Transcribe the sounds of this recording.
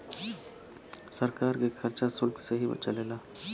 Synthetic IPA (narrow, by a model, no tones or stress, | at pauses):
səɾkaːɾkekʰɐɾt͡ʃasʊlkseɦibə̰t͡ʃaleːlaː